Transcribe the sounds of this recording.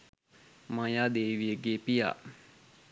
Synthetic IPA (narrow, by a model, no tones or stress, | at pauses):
mãjad̪eʋijəɡepija̰